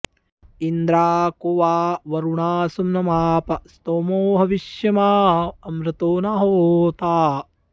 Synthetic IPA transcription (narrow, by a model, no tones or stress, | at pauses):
ind̪ɾaːkoːʋaːʋɐɾuɳaːsumnɐmaːpɐst̪oːmoːɦɐʋiʃjɐmaːɐmɾɐt̪oːnaːɦoːt̪aː